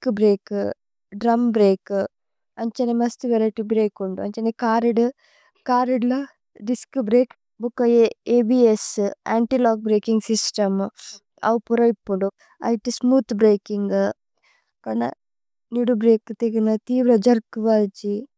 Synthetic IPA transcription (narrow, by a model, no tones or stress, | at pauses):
kubɾeːk | ɖɾɐmbɾeːkɨ | ɐɲt͡ʃɐnemɐst̪uʋɐlɐʈibɾeːkuɳɖuɐɲt͡ʃɐnekaːɾiɖu | kaːɾiɖlɐ | ɖiskubɾeːk | bukːɐeːbiesa̰ːɳʈilaːɡ̚bɾeːkiŋɡsisʈɐm | ɐ̰ʋpuɾɐipːuɳɖu | ɐ̰jʈismuːt̪bɾeːkiŋɡ | kɐnɐ̰ | niɽubɾeːkt̪eɡinɐt̪iːʋɾɐd͡ʒɐɾkuʋaːt͡ʃi